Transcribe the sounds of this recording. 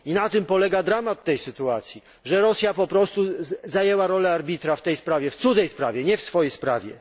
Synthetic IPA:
inat̪ɘmpɔlɛɡad̪ɾamat̪ːɛjsɘt̪uat̪sʲji | ʐɛɾɔsʲjapɔpɾɔst̪uzajɛwaɾɔlɛaɾbʲit̪ɾaft̪ɛjspɾavʲjɛft̪sud̪zɛjspɾavʲjɛɲɛfsfɔjejspɾa̰vʲjɛ̰

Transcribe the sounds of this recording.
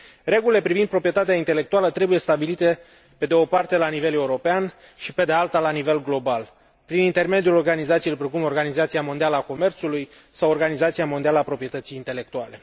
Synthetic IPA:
re̞ɡulile̞pɾivind̪̚pɾo̞pɾiet̪at̪eaint̪e̞le̞kt̪ualət̪ɾe̞buje̞st̪abilit̪e̞ | pe̞d̪eo̞part̪e̞lanive̞le̞uɾo̞pean | ʃipe̞d̪ealt̪alanive̞lɡlo̞bal | pɾinint̪e̞rme̞d̪ijulo̞rɡanizat̪sielpɾekumo̞rɡanizat̪siamo̞nd̪ialəako̞me̞rt̪suluj | sawo̞rɡanizat̪siamo̞nd̪ialəapɾo̞pɾije̞t̪ət̪sijːnt̪e̞le̞k̚t̪uale̞

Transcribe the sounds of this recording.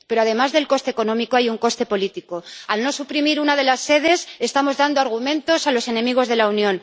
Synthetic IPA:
pe̞ɾo̞aðe̞mazðe̞lko̞st̪eko̞nõ̞miko̞ajuŋko̞st̪e̞po̞lit̪iko̞alno̞supɾimiɾunað̞e̞lasːe̞ð̞e̞se̞st̪amo̞zðand̪oaɾɣ̞umẽ̞nt̪o̞salo̞se̞nẽ̞miɣ̞o̞zð̞e̞launjõ̞n

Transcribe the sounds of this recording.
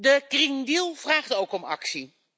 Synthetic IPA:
dəkrɪŋdilˠv̥raːχtowkɔmɑ̰ksi

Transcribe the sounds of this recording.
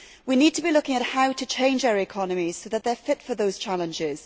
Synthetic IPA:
winiːd̚tʰəbilʊkɪ̃ŋəʔhaʊtʰət͡ʃʰẽɪ̃nd͡ʒaʊəɹɪkʰɒnəmiz̥soʊðəʔ̪ðəfɪtfəðoʊz̥t͡ʃʰalə̃nd͡ʒɪz̥

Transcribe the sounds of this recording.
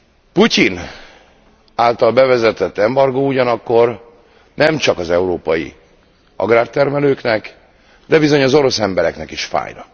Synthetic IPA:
pucin | aːlt̪ɒlbɛvɛzɛt̪ɛt̪ːɛmbɒrɡouɟɒnɒkːo̞r | nɛmt͡ʃɒkɒzɛuɾoːpɒjḭ | ɒ̰ɡraːrt̪ɛrmɛløːknɛk | d̪ɛbizo̞ɲɒzo̞ɾo̞sɛmbɛɾɛknɛkiʃfa̰ːjnɒ̰k

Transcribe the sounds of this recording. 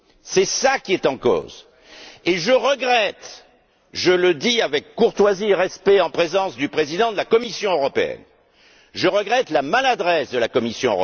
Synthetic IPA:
sɛsakʲiɛt̪ɑ̃ko̰ːz | eʒəʁəɡʁɛt̪ | ʒələd̪iavɛkːuʁt̪wazieʁɛspɛɑ̃pχezɑ̃sd̪ypχezid̪ɑ̃d̪əlakɔmisjɔ̃øʁɔpeɛ̰n | ʒəʁəɡʁɛt̪lamalad̪ʁɛsd̪əlakɔmisjɔ̰̃ʁɔ

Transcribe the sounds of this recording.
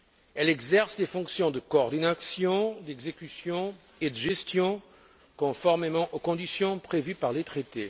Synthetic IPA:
ɛlɛɡzɛʁsd̪efɔ̃ksjɔ̃d̪əkoːʁd̪inasjɔ̃d̪ɛɡzekʲysjɔ̃ | ed̪əʒɛst̪jɔ̃ | kɔ̃fɔʁmemɑ̃ʔokɔ̃d̪isjɔ̃pχevypaʁlet̪χet̪e

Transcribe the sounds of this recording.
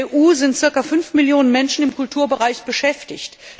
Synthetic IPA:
ʔuːzɪnt̚t͡sɪɐkafʏnfmɪljoːnənmɛnʃn̩ɪmkʊltʰuːɐbəʁaɪçb̥əʃɛftɪçt

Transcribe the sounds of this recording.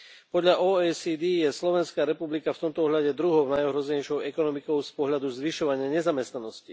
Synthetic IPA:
pɔd̪ʎaʔɔːɛːsid̪ijɛslɔʋɛnskaːɾɛpublikaft̪ɔmt̪ɔɔɦʎaɟɛd̪ɾuɦɔʊnajɔɦɾɔzɛɲɛjʃɔʊɛkɔnɔmikɔʊspɔɦʎad̪uzʋiʃɔʋaɲɪaɲɛzamɛst̪nanɔsci

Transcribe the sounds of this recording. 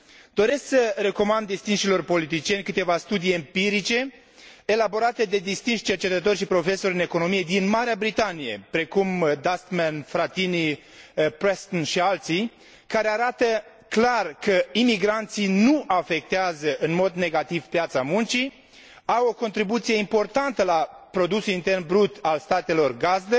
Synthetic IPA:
d̪o̞ɾe̞sksəɾe̞ko̞mand̪ːist̪inʃilo̞rpo̞lit̪it͡ʃijenʲkɨt̪e̞vast̪ud̪ijempiɾit͡ʃe̞ | elabo̞ɾat̪e̞d̪e̞d̪ist̪inʃt͡ʃe̞rt͡ʃe̞t̪ət̪o̞rʲʃipɾo̞fe̞so̞ɾɨne̞ko̞no̞mije̞d̪inmaɾeabɾit̪anije̞̰pɾe̞kumd̪ast̪menfɾat̪ini | pɾest̪onʃialt̪si | kaɾeaɾat̪ə | klarkəimiɡɾant̪sinuʔafe̞k̚t̪eazəʔɨnmo̞d̪ne̞ɡat̪iv̥pjat̪samunt͡ʃi | awo̞ko̞nt̪ɾibut̪sije̞impo̞rt̪ant̪əlapɾo̞d̪usulint̪e̞rnbɾut̪alst̪at̪e̞lo̞rɡazd̪ə

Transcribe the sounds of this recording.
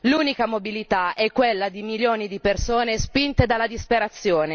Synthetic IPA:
luːnikamobilit̪aɛkːwelːad̪imiljoːnid̪ipersoːnespint̪ed̪alːad̪ispeɾat̪sːjoːne

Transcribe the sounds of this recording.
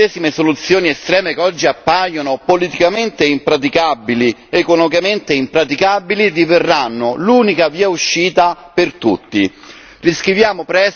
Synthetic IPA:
ɛːsimesolut̪sːjoːniest̪ɾɛːmekɔd͡ʒːiapːajonʊpolit̪ikament̪eimpɾat̪̬ikabːiliekonɔmikament̪eimpɾat̪̬ikabilid̪iverːanːʊluːnikaviːauʃːiːt̪a | pert̪ut̪ːi | riskɾivjaːmʊpɾɛs

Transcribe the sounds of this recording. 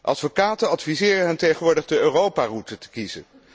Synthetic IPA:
ʔɑtfokaːtənɑtfizɪːrənɦɛntejχənʋʊːɹdəχdəøːrowpaːrutətə̥kizə̰n

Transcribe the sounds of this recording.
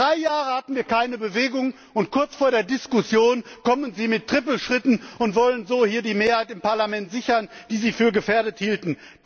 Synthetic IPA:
ʁaɪjaːʁəhatn̩viːɐkʰaɪnəbəveːɡʊŋ | ʊntkʰʊɐt͡sfoːɐɾeːɐdɪskʊsjoːnkɔmənziːmɪtʁ̥ɪpl̩ʃʁ̥ɪtn̩ʔʊntv̥ɔlənzoːhiːɐdiːmeːɐhaɪtɪmpaɐlamɛntz̥ɪçɐnd̥iːziːfyːɐɡəfeːɐdəthiːltn̩̥

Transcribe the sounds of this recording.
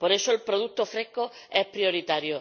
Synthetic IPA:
po̞ɾe̞soelpɾoðut̪ofɾe̞hko | e̞hpɾjo̞ɾit̪aɾjo

